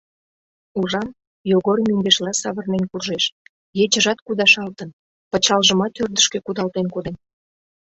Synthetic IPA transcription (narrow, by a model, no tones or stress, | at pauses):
uʒɑm | joɣormyŋɡ̪eʃlɑsɑβərnenkurʒeʃ | jet͡ɕəʒɑt̪kud̪ɑʃɑlt̪ən | pət͡ɕɑlʒəmɑt̪ørd̪əʃkekud̪ɑlt̪enkod̪en